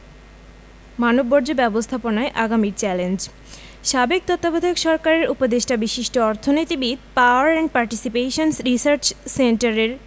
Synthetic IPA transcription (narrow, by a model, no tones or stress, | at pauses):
manobːɔɾd͡ʑobɛbost̪ʰaponaeʔaɡamiɾt͡ɕɛlend͡ʑ | ʃabek̚t̪ot̪ːabod̪ʱokʃɔɾkaɾeɾupod̪eʃʈabiʃiʃʈoɔɾt̪ʰonit̪ibid̪̚paoaɾɛɳʈ̚paɾʈisipeʃonsɾisaɾt͡ɕseɳʈaɾeɾ